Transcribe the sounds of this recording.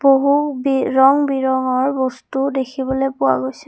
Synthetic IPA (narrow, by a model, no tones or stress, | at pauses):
b̥oɦubiɹɔŋbiɹɔŋɔɹbɔstudekʰibɔlojpʊwa̰ɡojsɛ̥